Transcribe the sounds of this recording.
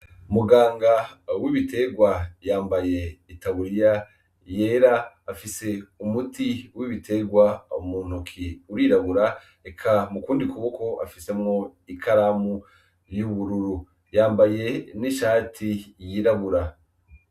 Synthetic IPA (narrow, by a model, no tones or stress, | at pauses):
umuɡaːŋɡawiβite̞ɡwajaːmbaje̞itaβuɾija | je̞ːɾaː | fise̞umutiwiβite̞ɡwaumuːn̥hukʰiuɾiɾaβuɾa | ekʰamukuːndikuβoko̞ʔa̰fise̞mŋo̞ikʰaɾamu | ɾjuβuɾuɾu | jaːmbaje̞niʃaːtʰijiːɾaβuɾa